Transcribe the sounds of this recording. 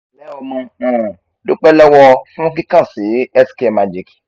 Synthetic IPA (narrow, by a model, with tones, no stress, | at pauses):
lɛ˦ɔ˧mɔ̃˧ã˨ | do˦k͡pɛ˦lɛ˦wɔ˧fũ˦k̬i˦kã˦˨si˨˦ɛ˦ske˦˨ma˨d͡ʒi˦˨ki̥˨